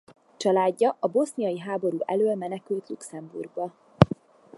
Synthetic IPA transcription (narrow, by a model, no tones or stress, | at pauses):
t͡ʃɒlaːɟːɒʔɒbo̞snijɒjiɦaːbo̞ɾuːʔɛløːlmɛnɛkylt̪lṵksɛmbṵrɡbɒ